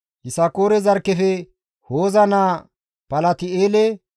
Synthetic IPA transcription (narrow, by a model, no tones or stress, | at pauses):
ʔɪsɐkoːɾɛzɐɾkːɛfɛ | hoːzɐnaː | pɐlɐt̪ɪeːlɛ